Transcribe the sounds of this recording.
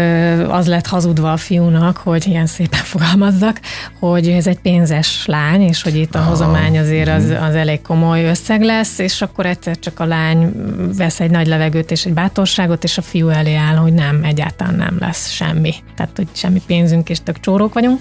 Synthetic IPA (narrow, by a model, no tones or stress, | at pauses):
ɒ̰zlɛt̪hɒzud̪ʋɒːfijunɒkho̞ɟijɛnseːpɛɱfo̞ɡɒlmɒzːɒkho̞ɟɛzɛɟpeːnzɛʃlaːɲeːʃho̞ɟit̪ːɒɦo̞zɒmaːɲɒzeːɾɒzɒ̰zɛleːkko̞mo̞jø̞sːɛɡlɛsːeːʃɒkːo̞ɾɛt̪sɛrt͡ʃɒkɒlaːɲvɛsɛɟnɒɟlɛvɛɡøːt̪eːʃɛɟ̚baːt̪o̞rʃaːɡo̞t̪eːʃɒfijuɛleːaːlho̞ɟnɛmɛɟːa̰ːlt̪ɒla̰ːnːɛ̰mlɛ̰sʃɛ̰mːit̪a̰ːt̪ho̞cʃɛmːipeːnzyŋkeːʃt̪økt͡ʃoːɾoːkʋɒɟuŋk